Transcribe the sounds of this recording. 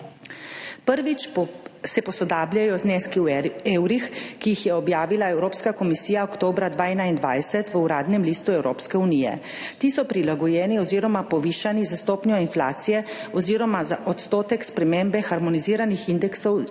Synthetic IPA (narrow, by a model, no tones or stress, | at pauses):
pəɾʋit͡ʃsɛpɔsɔd̪aːbljajɔzneːskiweːwɾixkijixjɛɔbjaːʋilaɛwɾoːpskakɔmisiːjaɔkt̪oːbɾad̪ʋaːɛnaind̪ʋa̰ːjsɛt̪ʋəuɾaːd̪nɛmliːst̪uɛwɾoːpskɛunijɛ̰ | t̪iːsɔpɾilaɡɔjɛːniɔziːɾɔmapɔʋiʃanizast̪oːpnjɔinflaːt̪sijɛɔziːɾɔmazaʔɔt̪st̪oːt̪ɛkspɾɛmembɛxaɾmɔniziːɾanixind̪ɛksɔw